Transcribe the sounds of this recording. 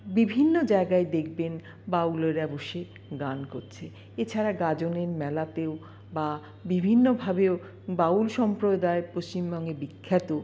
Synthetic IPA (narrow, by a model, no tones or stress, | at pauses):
bibʱinːod͡ʑaeɡaed̪ekʰben | bauleɾɛboʃe | ɡankoɾt͡ɕʰe | et͡ɕʰaɾaɡad͡ʑoneɾmɛlat̪eo | ba | bibʱinːobʱabeo | baulʃɔmpɾod̪aepost͡ɕimbɔŋɡebikʰːat̪o